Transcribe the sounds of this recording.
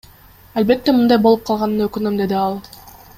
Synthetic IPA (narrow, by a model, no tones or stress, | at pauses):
albe̞t̪ːe̞mɯnd̪ɑjbo̞lˠup̚qʰɑlˠʁɑnːɯnøkynømd̪e̞d̪iɑlˠ